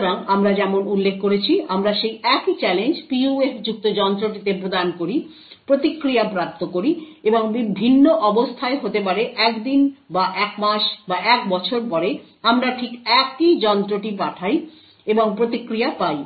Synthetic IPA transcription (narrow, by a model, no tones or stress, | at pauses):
ɾaŋamɾad͡ʑɛmonulːekʰːoɾet͡ɕʰiamɾaʃejɛkit͡ɕɛlend͡ʑpiuefd͡ʑuk̚t̪od͡ʑɔnt̪ɾoʈit̪epɾod̪ankoɾi | pɾot̪ikːɾijapɾap̚t̪okoɾieboŋbibʱinːoʔɔbost̪ʰaeɦot̪epaɾeʔɛkd̪inbaʔɛkmaʃbaʔɛkbɔt͡ɕʰoɾpɔɾe | amɾaʈʰikɛkid͡ʑɔnt̪ɾoʈipaʈʰaj | eboŋpɾot̪ikːɾijapaj